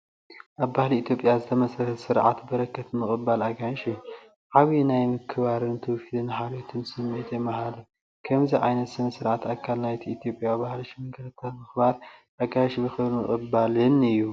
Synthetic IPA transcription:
ʔaβbahliit̪ʰjo̞pʼjazɨt̪ʰɐmɐsɾɐhtsɨɾʕa̰t̪bɐɾɐkːɐt̪mɨkʼɨbalaɡaʃiju | ʕaβinajmɨkʰɨβaɾɨnt̪ʰɨwfid̪ɨnħaɾot̪ʰɨnsɨmːet̪ʰjɛmːaɦalu | kʰɐmziʕajnɐt̪sɨnɨsɨɾʕat̪akʰːalnajt̪ʰiit̪ʰjo̞pʼjawbahliʃimɨŋkʰɐlɐt̪ʰːalmɨxbaɾʔaɡaʃbɨxɨβlmɨχʼɨbalɨnɨjːu

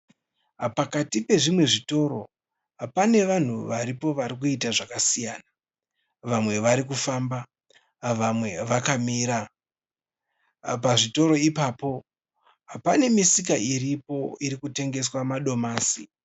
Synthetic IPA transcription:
pakatipe̞ʐimwe̞ʐito̞ɾo̞̰ | apane̞ʋan̤uʋaɾipo̞ʋaɾik̬uitaʐakasijaːna | ʋamwe̞ʋaɾik̬ufaːmba | ʋamwe̞ʋakamiːɾa | paʐito̞ɾo̞ipaːpo̞ | ɦapane̞misikairipo̞iɾikute̞ŋɡe̞swamaɗo̞maːsi

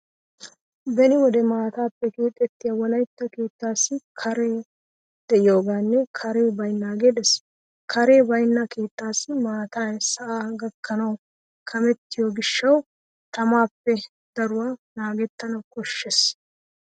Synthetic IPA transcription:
bɛnɪwɔd̪ɛmaːt̪aːpːɛkuːt̪ʼːɛt̪ːɪjɐwɔlɐjt̪ːɐkeːt̪ːaːsːɪkʰɐɾe̞ː | d̪̥ɛʔɪjo̞ːɡaːnːɛkʰɐɾe̞ːbɐjnːaːɡed̪ɛs | kʰɐɾe̞ːbɐjnːake̞ːt̪ːaːsːɪmaːt̪aːsɐʔaːɡɐkʰːɐnɐw | kʰɐmɛt̪ːɪjoɡɪʃːɐw | t̪ɐmaːpːɛ | d̪̥ɐɾʊwaːnaːɡɛt̪ːɐnɐwkɔʃːes

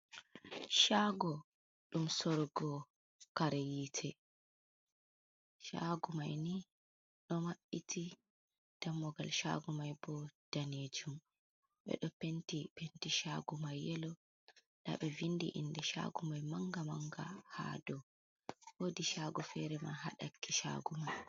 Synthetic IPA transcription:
ʃaɡɔ | ɗumsɔɾɡɔ | kaɾɛjiːtʰɛ | ʃa̰ɡumajni | ɗɔmaɓitʰi | d̥amːɔɡalʃa̰ɡumajbɔd̥aned͡ʒum | ɓɛ̰ɗɔpentipentiʃaɡumajɛlɔ | ɗa̰ɓɛvindiʔḭndɛʃa̰ɡumajmaŋɡamaŋɡaha̰ːdɔ | wodiʃaɡɔfɛɾɛma̰ɦa̰ɗakʰːiʃa̰ɡumaj

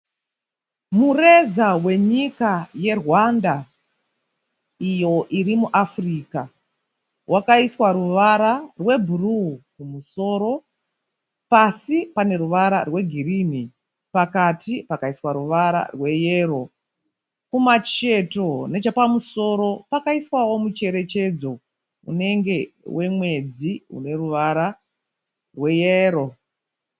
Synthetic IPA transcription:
mure̞zawe̞ɲikaje̞rwanda | ijo̞ʔirimuʔafriːka | wakaiswaɾuʋaɾarwe̞bʱurukumuso̞ːɾo̞ | pasipane̞ruʋaɾa̰rwe̞ɡʱirini | pakatipakaiswaɾuʋaɾa̰rwe̞je̞ːro̞ | kumat͡ʃeto̞ne̞t͡ʃapamuso̞ːɾo̞pakaiswawo̞mut͡ʃe̞ɾe̞t͡ʃe̞d͡zo̞ | ṵne̞ŋɡe̞wʔe̞mwe̞d͡ziṵne̞ruʋaɾa | rwe̞jeːɾo̞

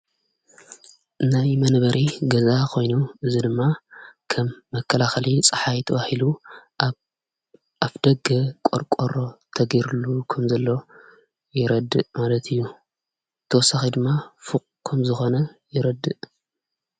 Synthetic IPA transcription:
najmɐnbɐɾʔiɡɐzakʰo̞jnuʔɨzid̪ɨmːakʰɐmːɐkʰːɐlaxɐlit͡sʼɨħajt̪ʰɐβahilu | aβd̪ɐɡɐkʼoɾkʷʼoɾo̞t̪ʰɐɡiɾulːukʰɐmzɐlːo̞ | jɪɾɐd̪ɨʔmalɐt̪ʰɨjːu | t̪ʰːɐwɔsːaxid̪ɨmːafɨkʼkʰɐmzɨxonɐjɪɾɐd̪ɨʔ

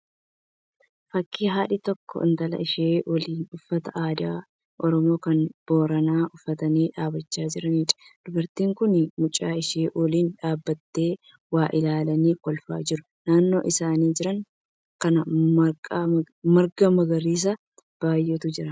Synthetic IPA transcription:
fɐkʰːiːɦaːᶑɪt̪ɔkːɔ̰ɪ̰nt̪ɐlɐ̰ʔɪʃeːwɐliːnʊfːɐt̪ɐʔaːd̪ɪa̰ː | ʔɔɾɔmo̞ːkɐnb̥o̞ːɾɐnaːʔʊfːɐt̪ɐniːᶑaːbɐt͡ʃːaːd͡ʒɪɾɐniːᶑɐ̥d̪̥ʊbɐɾt̪iːŋkʊnɪmʊt͡ʃʼaːɪʃeːwɔliːnᶑaːbːɐt̪ːe̞ː | waːʔɪlaːlɐniːkɔlfa̰ːd͡ʒɪɾʊ̥ | naːnːo̞ːʔɪsaːniːd͡ʒɪɾɐŋ | kɐnɐɐ | mɐɾɡɐmɐɡɐɾiːs̬ɐ | b̥aːjːɛt̪ʊd͡ʒɪɾɐ

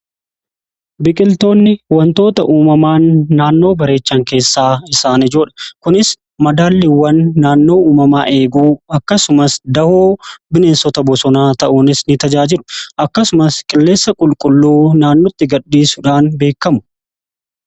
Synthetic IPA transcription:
bɪkʼɪlt̪o̞ːnːɪwɐnt̪o̞ːt̪ɐʔuːmɐmaːnːaːnːo̞ːbɐɾe̞ːt͡ʃːɐŋke̞ːsːaːɪsaːnɪd͡ʒoːᶑɐ̥kʊnɪs | mɐd̪aːlːɪwːɐnːaːnːo̞ːuːmɐma̰ːʔe̞ːɡuːɐkːɐsʊmɐsd̪ɐhoːbɪne̞ːnsɔt̪ɐbɔsɔnaːt̪ɐʔuːnɪsnɪt̪ɐd͡ʒaːd͡ʒɪɾʊ̥ʔɐkːɐsʊmɐskʼɪlːe̞ːsːɐkʼʊlkʼʊlːuːnaːnːɔt̪ːɪɡɐɗːiːsʊᶑaːnbe̞ːkːɐmʊ̥

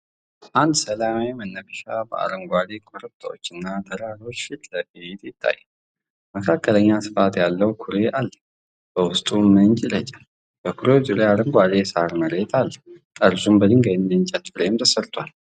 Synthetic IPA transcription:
ʔand̪səlamawimənːəbɨʃabə̰a̰ɾəŋɡʷad̪ekʰʼʊɾɨt̪ʰʼːəwot͡ʃːɨnːat̪ʰəɾaɾo̞t͡ʃːiləʔet̪jɪt̪ʰːa̰jːɛ | məkʰakːələɲːasɨ̥fat̪jalːəwkʰʊɾeʔalːə | b̥əwʊst̪ʼuməɲt͡ʃʼɪlət͡ʃʼḁ | b̥əkʰʊɾewd͡ʒʼuɾeaɾəŋɡʷad̪esaɾməɾet̪ʰalːə | əɾsumbəd̪ɨŋɡajɪnd̪ɨnt͡ʃʼat̪fɾemt̪ʰəsəɾt̪ʰwal

